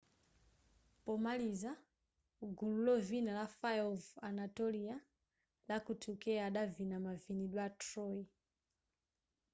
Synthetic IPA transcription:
pɔmaliza | ɡululɔvinalafajɔvanatɔlia | lakutʰukɛaɗavinamaviniɗwatɾɔi

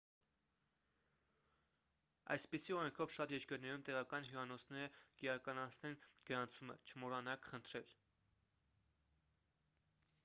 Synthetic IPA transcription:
ɑ̰jspisiɔɾɛŋkʰɔvʃɑt̪jɛɾkəɾnɛɾumt̪ɛʁɑkɑnɦjuɑnɔt͡sʰnɛɾəkiɾɑkɑnɑt͡sʰnɛnɡ̥əɾɑnt͡sʰumə̰t͡ʃʰəmɔɾɑnɑkχənt̪ʰɾɛl

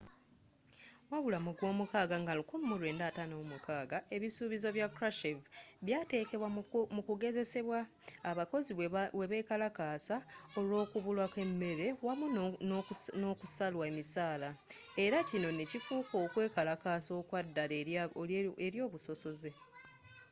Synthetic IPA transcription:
waβulamuɡwo̞ːmukaːɡaŋɡalukummulwe̞ːndatano̞ːmukaːɡae̞βisuːβizo̞βjakɾaʃevβjaːte̞ːke̞βwamukuɡe̞ze̞se̞βwaː | βako̞ziwwe̞βe̞kalakaːsa | o̞lwo̞ːkuβulwake̞mːe̞ɾe̞wamunnokusalwaemisaːlae̞ɾacino̞necifuːko̞ːkwe̞ːkalakaːso̞kwadːale | eɾjo̞ːβuso̞so̞ze̞

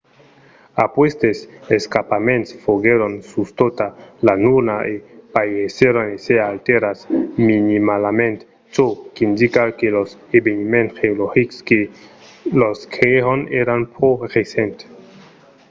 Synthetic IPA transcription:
apwest̪eseskapament̪sfoɡeɾonsust̪ot̪alanuɾnaʔepajeseɾonesealt̪eɾasminimalamẽnt̪ | t͡ʃokind̪ikakelosebenimenxeoloxikske | loskʰeeoneɾanporesent̪

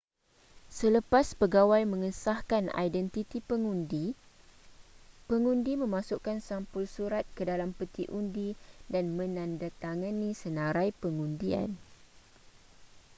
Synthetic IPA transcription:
sələpaspəɡawajmə̃ŋəsahkana̰jdɛnt̪it̪ipəŋundi | pəŋũndimə̃mãsukansampʊlsuɾat̪̚kədalampət̪iʔundidanmə̃nãndat̪aŋanĩsənãɾajpəŋundia̰n

